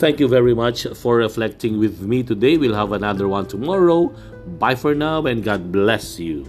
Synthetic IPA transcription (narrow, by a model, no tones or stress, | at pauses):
t̪ʰɛ̃ŋkjuvɛɹimat͡ʃfɔɹɹɛflɛk̚tɪ̃ŋwɪðmitudeɪwilɦævənaðəɹwãntʰumɔɹoʊ | baɪfɔɹnaʊɛ̃nɡɑd̚blɛsju